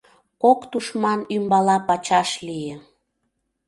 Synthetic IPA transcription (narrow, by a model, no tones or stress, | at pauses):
kokt̪uʃmɑnymbɑlɑpɑt͡ɕɑʃlije